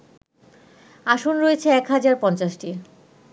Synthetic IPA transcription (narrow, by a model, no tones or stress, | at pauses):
aʃonɾoet͡ɕʰeɛkɦad͡ʑaɾpɔnt͡ɕaʃʈi